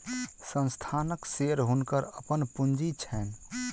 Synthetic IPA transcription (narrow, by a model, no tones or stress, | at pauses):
sə̃nst̪ʰanəkseɾɦunkəɾəpənpund͡ʒit͡ʃʰɛn